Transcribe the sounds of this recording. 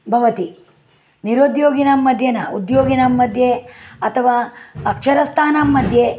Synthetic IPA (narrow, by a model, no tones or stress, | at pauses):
bʱɐʋɐt̪i | niɾoːd̪joːɡinɐmːɐd̪ʱjɐnɐud̪joːɡinɐmːɐd̪ʱjeɐt̪ʰɐʋaːɐkʂɐɾɐst̪ʰaːnamːɐd̪ʱje